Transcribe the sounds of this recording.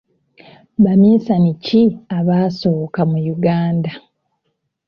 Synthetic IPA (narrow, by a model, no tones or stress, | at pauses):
βamiːsaniciaβaːso̞ːkamujuɡaːnda